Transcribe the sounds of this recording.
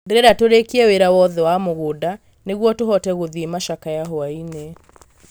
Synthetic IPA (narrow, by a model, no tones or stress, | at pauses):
ndeɾɛɾatoɾekiɛweɾawɔðɛwamoɣoda | neɣwɔtoɦɔtɛɣoðimaʃakajaɦoaine